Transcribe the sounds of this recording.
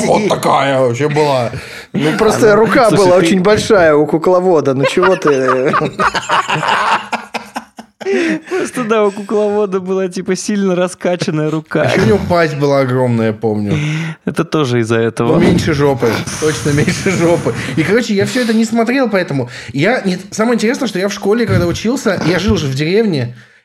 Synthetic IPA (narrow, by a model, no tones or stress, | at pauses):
vot̪ːɐkajəvɐpɕebɨlˠa | nupɾost̪əɾʊkabɨlˠaot͡ɕɪnʲbɐlʲʂajəʊkʊklˠɐvo̞d̪ənot͡ɕɪvo̞t̪ɨ | pɾost̪əd̪aʊkʊklˠɐvo̞d̪əbɨlˠatʲipəsʲilʲnəɾɐskat͡ɕɪnəjəɾʊkaeʊnʲɪvopazʲbɨlˠaɐɡɾo̞mnəjəpo̞mnʲʊɛt̪ət̪o̞ʐɨɪzːɐɛt̪əvəmʲenʲʂɨʐo̞pɨt̪o̞t͡ɕnəmʲenʲʂɨʐo̞pɨikɐɾo̞t͡ɕɪjafsʲɵɛt̪ənʲɪsmɐt̪ɾʲe̞lˠpɐɛt̪əmʊjanʲet̪saməjəɪnʲtʲɪɾʲesnəjəʂt̪o̞jafʂko̞lʲɪkɐɡd̪aʊt͡ɕilˠsʲəjaʐɨlˠʐɨvdʲɪɾʲevnʲɪ